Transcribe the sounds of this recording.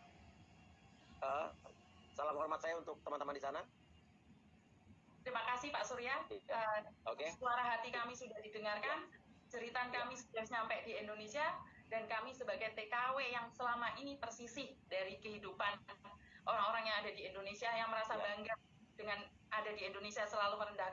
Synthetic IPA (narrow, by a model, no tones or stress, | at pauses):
ə | salamhɔrmat̪̚sajaunt̪ʊk̚t̪əmant̪əmandisana | t̪ɾimakasɪhpaʔsuɾiaəːokesəsuaɾaɦat̪ikamisudahdidəŋarkant͡ʃəɾit̪ankamisudahɲampɛʔdiɛndonesia | dankamisəbaɡajt̪ekawejaŋsəlamaʔinit̪ərsisɪhdaɾikəɦidupanʔoɾaŋoɾaŋjaŋadadiendonesiajaŋməɾasabaŋɡaŋ̚ | dəŋan | ʔadadiendonesiasəlaluməɾəndahk